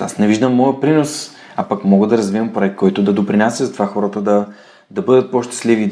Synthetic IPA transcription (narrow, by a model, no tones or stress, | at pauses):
a̰snɛviʒd̪əmːɔjəpɾinos | apɐkmɔɡəd̪ɐɾɐzvivɐmpɾoɛk̪̚kʰːɔjt̪ʊd̪ɐd̪opɾinasʲəzɐt̪ovaxɔɾət̪əd̪ɐ | d̪ɐbɤd̪ət̪̚pɔʃt̪ɛ̥slivi